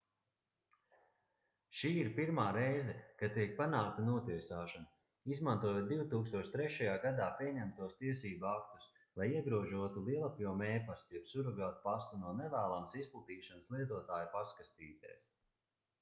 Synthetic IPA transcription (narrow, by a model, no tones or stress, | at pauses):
ʃiːiɾpiɾmaːɾɛjzɛkat̪ːiɛk̚panaːk̚t̪anuɔt̪iəsaːʃana | izmant̪uɔjoːt̪̚d̪iwt̪uːkst̪uɔʃt̪ɾɛʃajaːɡad̪aːpiɛɲɛmt̪uɔst̪iɛsiːbuak̚t̪us | lˠajiɛɡɾuɔʒuɔt̪ulˠiɛlˠapʲjumɛːpast̪jɛpsuɾaɡaːt̪̚past̪unuɔnɛvæːlˠamsisplˠut̪iːʃanslˠiɛt̪uɔt̪aːjupaskast̪iːt̪ɛ̰ːs